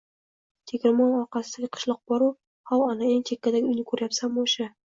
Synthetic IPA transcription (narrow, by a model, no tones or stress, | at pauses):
t̪ʰekʲɾɪmɒnɒɾqɑsɪd̪aɡʲɪqʰʊ̥ʃlˠɒq̚bɒɾu | hɒlˠanaeŋt͡ʃʰekʲːad̪aɡʲʊjnɪkʰɵɾjapsamboʃa